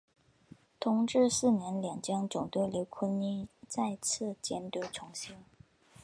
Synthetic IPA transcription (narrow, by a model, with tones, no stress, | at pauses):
t̪ʰʊ˧˥ŋʈ͡ʂɻ̩˥˧sɹ̩˥˩njɛ˧˥nljɑ˨˩ŋt͡ɕjɑ˥ŋʈ͡ʂʊ˨˩ŋt̪we˥˩ɪljo˧˥ʊkʰwə˥ni˥t͡sa˥˧ɪt͡sʰɹ̩˥˩t͡ɕjɛ˥nt̪ɤ˧˥˩ʈ͡ʂʰʊ˧˥ŋɕi˥ŋ